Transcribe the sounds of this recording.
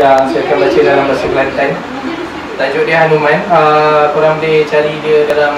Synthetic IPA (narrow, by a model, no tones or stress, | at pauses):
asaakanbat͡ʃədalambasəklant̪an | t̪ad͡ʒʊʔdiəɦanumãnəkuɾaŋdet͡ʃaɾidiəkala